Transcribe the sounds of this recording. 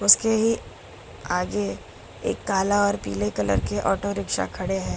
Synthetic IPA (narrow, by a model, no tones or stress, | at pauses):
ʊskeɦi | aːɡe | ḛːkːaːlaɔːɾpḭːlekɐlə̰ɾkeʔɔːʈoɾɪkʃa̰kʰɐɽeɦɛ̃ː